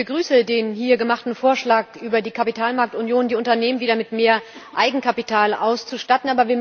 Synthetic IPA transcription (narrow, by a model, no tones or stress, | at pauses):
bəɡʁyːsədeːnɦiːɐɡəmaχtn̩foːɐʃlaːkʔyːbɐdiːkʰapitʰaːlmaɐktʊnjoːndiːʊntɐneːmənviːdɐmɪtmeːɐʔaɪɡŋ̩kʰapitʰaːlʔa̰ʊst͡suʃtatn̩ʔaːbɐviːɐ